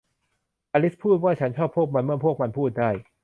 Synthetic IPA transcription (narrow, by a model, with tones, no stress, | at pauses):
ʔaː˧li˦˥pʰuː˥˩t̪̚waː˥˩t͡ɕʰa˦˥nt͡ɕʰɔː˥˩pʰːu˥˩ək̚ma˧nmɯ˥˩əpʰu˥˩ək̚ma˧npʰuː˥˩t̪̚daː˥˩j